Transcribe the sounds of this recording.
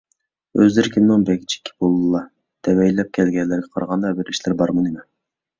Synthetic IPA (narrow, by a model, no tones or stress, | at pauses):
øzlɪɾkʲʰinnɪŋbɛɡʲit͡ʃʰi̥kʲʰːi̥bolˠɨlˠɑ | d̪̥ɛwɛjlɛp̚kʲʰɛlɡʲɛnlːɪɾɡʲɛqʰɑɾʁɑnd̪ɑbɪɾiʃlɪɾbɑɾmɨnimɪ